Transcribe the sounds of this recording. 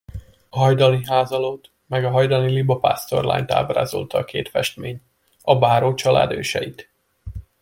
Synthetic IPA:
ɒɦɒjd̪ɒniɦaːzɒloːt̪ | mɛɡɒɦɒjd̪ɒnilibɒpa̰ːst̪o̞̰rla̰ːɲt̪a̰ːbra̰ːzo̞̰lt̪ɒːkeːt̪fɛʃt̪meːɲ | ɒbaːɾoːt͡ʃɒlʔa̰ːd̪øːʃɛit̪

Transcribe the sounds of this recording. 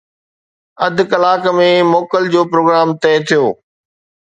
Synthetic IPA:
ɐd̪ʱkɐlaːkmẽmoːkəld͡ʑoːpɾoːɡɾaːmt̪ɛːt̪ʰijoː

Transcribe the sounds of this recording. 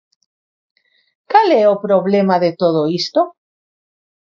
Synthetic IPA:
kaleopɾoβlemaðet̪oð̞oist̪o

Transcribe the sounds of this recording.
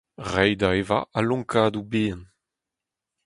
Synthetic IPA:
ʁɛjd̪aeva̰ʔalɔ̃ŋkʰaːd̪ubeːɛ̃n

